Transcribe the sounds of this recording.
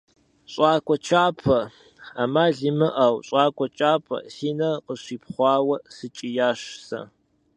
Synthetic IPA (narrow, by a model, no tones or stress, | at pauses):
ɕʼɑːkʷʼɔt͡ʃʰaːpʰɐ | aːmaːɮimɨʔɐwɕʼɑːkʷʼɔt͡ʃʼaːpʰɐ̰siːnɐqəɕiːpχʷɑːwɐsɨt͡ʃʼijaːʃsɐ̰